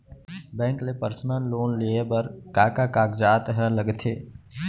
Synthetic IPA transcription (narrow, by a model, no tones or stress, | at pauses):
bɛ̃ːŋklepəɾsnənloːnliebəɾkaːkakaːɡd͡ʒaːt̪ɦɛləɡt̪ʰeː